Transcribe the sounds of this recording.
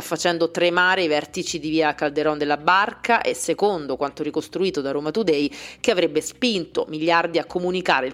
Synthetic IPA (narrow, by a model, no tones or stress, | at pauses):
afːat͡ʃɛnd̪ot̪ɾemaːɾeivɛrt̪it͡ʃid̪iviːakald̪eɾɔnd̪elːabarkaʔesːekond̪okwant̪oɾikost̪ɾuiːt̪od̪aɾoːmat̪ud̪ɛjk̟eavɾebːespint̪o̰miʎːard̪iakːomunika̰ːɾel